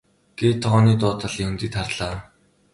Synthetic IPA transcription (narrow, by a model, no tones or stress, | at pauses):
ɡ̥eːt̪ʰːɔʁɔːniːt̪ʊːt̪ʰə̆ɮiɵnt̪iːt̪χarɮaː